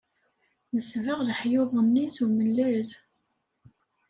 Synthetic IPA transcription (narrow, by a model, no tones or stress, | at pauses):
nəsvəʁlħjoðˤənːiθuməlːæɾ